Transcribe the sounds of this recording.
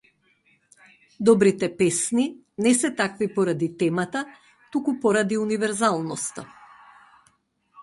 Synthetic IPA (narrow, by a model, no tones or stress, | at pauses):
d̪ɔbɾit̪ɛpɛsni | nɛsɛt̪akvipɔɾad̪it̪ɛmat̪a | t̪ukupɔɾad̪iunivɛɾzalˠnɔst̪a̰